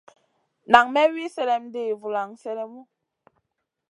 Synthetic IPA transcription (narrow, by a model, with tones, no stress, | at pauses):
na˨ŋmɛ˦wi˦sɛ˦lɛ˨mde˦˨vu˨la˨ŋsɛ˦lɛ˦mu˦